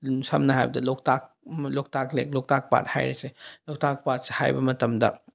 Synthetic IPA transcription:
sɐmnɐɦajbɐdɐlok̚tak̚ | lok̚taklḛk̚lok̚tak̚pa̰t̚ha̰jɾeselok̚tak̚pat̚se̥ha̰jbɐmɐtɐmdɐ

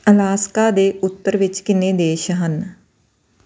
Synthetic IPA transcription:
əlaːskaːd̪eːʔʊt̪ːəɾʋɪt͡ʃkɪnẽːd̪eːʃɦən

